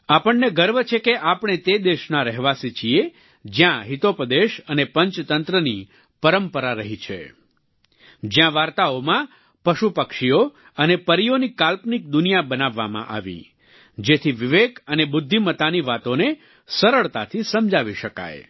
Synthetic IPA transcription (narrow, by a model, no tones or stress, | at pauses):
apəɳːeɡəɾʋt͡ʃʰekeʔapɳ̃et̪ed̪eʃnaɾəɦʋasit͡ʃʰie | d͡ʒjãɦit̪opəd̪eʃənepəɲt͡ʃt̪ənt̪ɾəni | pəɾəmpəɾaɾəɦit͡ʃʰḛ | d͡ʒjãʋaɾt̪aomã | pəʃupəkʃio | ənepəɾijonikalpnik̚d̪ʊnijabənaʋːamã̰ʔa̰ʋḭ | d͡ʒet̪ʰiʋiʋekənebʊd̪ʱːimət̪aniʋat̪one | səɾəɭt̪at̪ʰisəmd͡ʒaʋiʃəka̰j